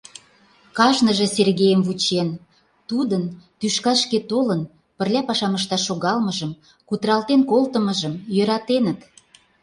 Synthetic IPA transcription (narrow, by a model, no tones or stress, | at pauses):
kɑʒnəʒĕserɣejəmvut͡ɕen | t̪ud̪ənt̪yʃkɑʃket̪olən | pə̆rlʲæpɑʃɑməʃt̪ɑʃoɣɑlməʒəm | kut̪ɾɑlt̪enkolt̪əmə̆ʒəmjøɾɑt̪enət̪